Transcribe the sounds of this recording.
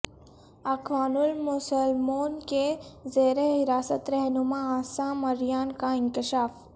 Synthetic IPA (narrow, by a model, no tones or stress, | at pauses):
ɐkʰʋaːnʊlmʊsəlmoːnkezeːɾeɦɪɾaːsət̪ɾɛɦnumãaːsãmɐɾjaːnkaɪŋkɪʃaːf